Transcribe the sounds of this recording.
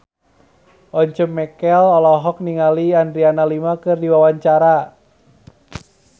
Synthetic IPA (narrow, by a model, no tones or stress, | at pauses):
ʔɔɲt͡ʃəmːɛkɛlɔlɔɦɔk̚niŋaliandɾianalimakɨrdiwawaɲt͡ʃaɾa